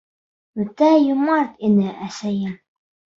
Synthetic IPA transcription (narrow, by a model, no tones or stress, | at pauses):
ʉt̪æjumɑɾt̪inɘʔæsæjɘm